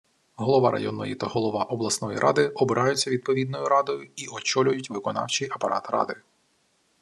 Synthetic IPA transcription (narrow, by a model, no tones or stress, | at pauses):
ɦɔlˠɔʋɑɾʔɐ̰jɔnːɔjit̪aɦɔlˠɔʋɑʔɔblˠɐsnɔjḭɾʔɑ̰d̪ɪɔbɪɾʔɑjʊt͡sʲːɐʋʲid̪̚pɔʋʲid̪̚nɔjʊɾɑd̪ɔjʊiɔt͡ʃɔlʲʊjʊtʲʋɪkɔnɑ̰wt͡ʃijɐpɐɾʔɑ̰t̪rɑ̰d̪ɪ